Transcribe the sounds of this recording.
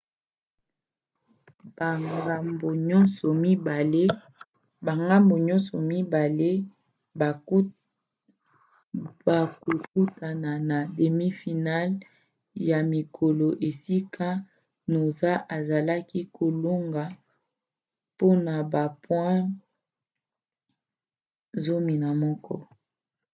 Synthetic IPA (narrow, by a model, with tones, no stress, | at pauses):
ba˨ŋɡa˨mbo˨ɲɔ˦nsɔ˨mi˦ba˨le˦ | ba˨ŋɡa˦mbo˨ɲɔ̃˦sɔ˨mi˦ba˨le˦˨ | ba˨ko˨ku˦ta˨na˨na˨de˨mi˦fi˨na˦l | ja˨mi˨kʰo˨lo˨ʔe˨si˦kʰa˦ | no˨za˦ʔa˨za˨la˦ki˦kʰo˨lo˦ŋɡa˨ | po˦na˨ba˨pwɛ̃˦ | zo˦mi˨na˨mɔ˦kʰɔ̰˦